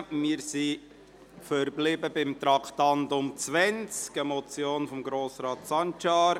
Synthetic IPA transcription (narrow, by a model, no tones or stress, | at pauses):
mɪːɾsi | fəɾblɪbəbɪmt̪ɾɑkt̪ɑndʊmt͡sʋɛnt͡skəmɔt͡sjoːnfɔmɡɾoːsɾɑːt̪sɑnt͡ʃɑːɾ